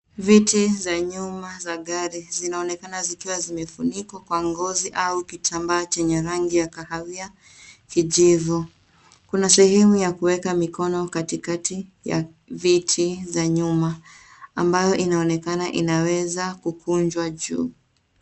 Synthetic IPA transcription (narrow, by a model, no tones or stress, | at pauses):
vitizaɲumazaɠaɾizinaɔnɛkanazikiwazimɛfunikwakwaŋɡɔziʔaukitʰambaːt͡ʃɛɲɛɾaŋɡijakahavia | kiʄivu | kunasɛhɛmujakuwɛkamikɔnɔkatikatija̰ | vitʰizaɲumaː | mbajɔʔinaɔnɛkanaʔḭnawɛzakukund͡ʒwaʄṵː